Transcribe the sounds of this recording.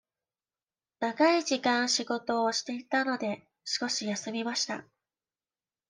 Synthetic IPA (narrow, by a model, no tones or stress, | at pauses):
nakaiʑikãɰ̃ɕiɡo̞t̪o̞ːɕi̥t̪e̞it̪ano̞d̪e̞ | ɕi̥ko̞ɕijasɨmʲimaɕi̥t̪a̰